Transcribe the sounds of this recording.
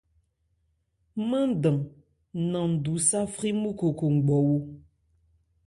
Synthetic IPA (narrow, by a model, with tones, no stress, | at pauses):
mã˦n˦də˨ŋ | nã˨du˨˦sa˦fɾi˦mu˦ko˨ko˨ŋ̩˨ɡ͡bɔ˨wu˦